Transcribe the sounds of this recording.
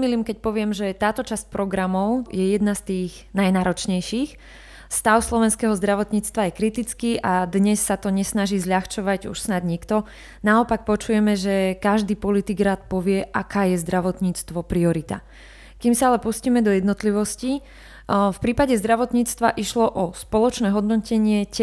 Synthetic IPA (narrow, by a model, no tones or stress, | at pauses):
miliːmkɛc̚pɔʋɪɛmʒɛt̪aːt̪ɔt͡ʃasc̚pɾɔɡɾamɔʊjɛjɛd̪nast̪iːɣ | najnaːɾɔt͡ʃɲɛjʃiːx | st̪aʊslɔʋɛnskɛɦɔzd̪ɾaʋɔt̪ɲiːt͡st̪ʋajɛkɾit̪it͡skiːʔad̪ɲɛsːat̪ɔɲɛsnaʒiːzʎaxt͡ʃɔʋaɟṵʃsnad̪ɲikt̪ɔ | naɔpak̚pɔt͡ʃujɛmɛʒɛkaʒd̪iːpɔlit̪iɡɾaːt̪pɔʋɪɛʔakaːjɛzd̪ɾaʋɔt̪ɲiːt͡st̪ʋɔpɾiɔɾit̪a̰ | kimsaalɛpusciːmɛd̪ɔjɛd̪nɔt̪liʋɔsci | fpɾiːpaɟɛzd̪ɾaʋɔt̪ɲiːt͡st̪ʋaʔiʃlɔʔɔspɔlɔt͡ʃnɛːɦɔd̪nɔcɛɲɪɛc